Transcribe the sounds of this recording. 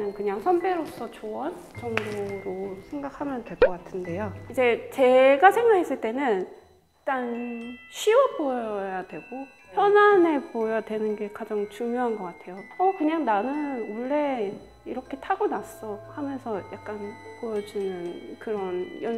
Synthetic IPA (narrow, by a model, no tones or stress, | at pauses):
nɯnkɯɲaŋsʰʌnbeɾops͈ʌt͡ɕoʌ | t͡ɕʌŋboɾosʰe̞ŋɡakhamjʌndwe̞ɭk͈ʌk͈atʰɯnde̞joid͡ʑe̞t͡ɕe̞ɡasʰe̞ŋɡakʰe̞s͈ɯɭt͈e̞nɯn | it͈anɕʰiwʌboʌjadwe̞ɡo | çjʌnane̞pojʌdwe̞nɯnɡe̞kad͡ʑaŋt͡ɕuŋjoɦanɡʌk͈atʰe̞joʌkɯɲaŋnanɯnwʌɭːe̞ | iɾʌkʰe̞tʰaɡonas͈ʌhamjʌnsʰʌjak̚k͈anpojʌd͡ʑinɯnkɯɾʌnjʌ